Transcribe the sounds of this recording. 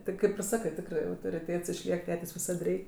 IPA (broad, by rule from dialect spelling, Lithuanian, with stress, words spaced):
ˈtʲɪ kɐɪp ɪr ˈsɑːkɜ ˈtʲɪkrɜ tʊrʲɪ ɐʊtoːrʲɪˈtʲeːts ɪʃʲˈlʲiɛk ˈtʲæːtʲeːsʲ ʋʲɪˈsɐt ˈrʲɛɪ